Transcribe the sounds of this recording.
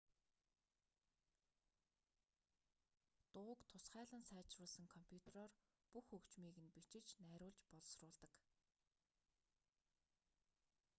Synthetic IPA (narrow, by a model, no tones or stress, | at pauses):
t̪ʊːkt̪ʰʊsχæːɮə̆nsæːt͡ɕrʊːɮsə̆ŋkʰɔmpʰʲjut̪ʰerɔːr | puxɵkt͡ɕmiːɣɘ̆npit͡ɕɪ̆t͡ɕnæːɾʲʊːɮt͡ɕpɔɮ̆srʊːɮt̪ə̆k